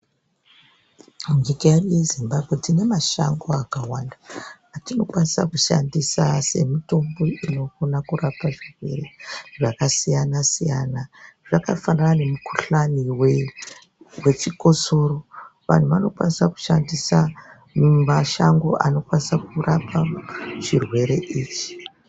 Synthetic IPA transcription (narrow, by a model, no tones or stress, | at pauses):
ŋikajaruje̞zimbabʱɣe̞tine̞maʃaŋɡo̞akawanda | atino̞kwanisa̰kuʃa̰ndisase̞̰mito̞mbo̞ino̞konakurapaʐirwe̞̰reʐakasijanasijanaʐakafananane̞mukuɬaniwe | we̞t͡ʃiko̞so̞ɾo̞ʋa̰n̤uʋano̞kwanisaku̥ʃandisa | mmaʃaŋɡo̞ʔano̞kwanisakurapʰaʐirwe̞ɾe̞ʔiːt͡ʃi̥